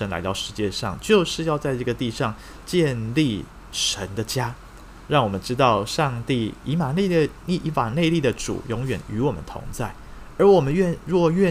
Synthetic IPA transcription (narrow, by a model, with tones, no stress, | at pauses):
ə˧˥nla̰˧ɪt̪ɑ˥˩ʊʂɻ̩˧˥t͡ɕjɛ˥˧ʂɑ̰˥˧ŋt͡ɕjo˥˧ʊʂɻ̩˥˧jɑ˥˧ʊt͡sa˥˧ɪʈ͡ʂɤ˥˩ɡə˩t̪i˥˧ʂɑ˥˧ŋ | t͡ɕjɛ˥˧nli˥˩ | ʂə˧˦˥nd̪ə˧t͡ɕja˥ | ɻɑ˥˩ŋwɔ˨˩mə˦nʈ͡ʂɻ̩˥t̪ɑ˥˧ʊʂɑ˥˧ŋt̪i˥˩i˧˥ma˨˩ni˥˩ə˧˩ | i˥˧˩i˧˥ma˨˩ne˥˧ɪli˥˩d̪ə˩ʈ͡ʂṵ˨˩˦jʊ˧˥ŋɥɛ˨˩ny˧˥wɔ˨˩mə̰˦nt̪ʰʊ̰˧˥ŋt͡sa˥˩ɪ | ə˞˨˧˥wɔ˨˩mə˦nɥɛ˥˧ɻwɔ˥˩˧ɥɛ˥˧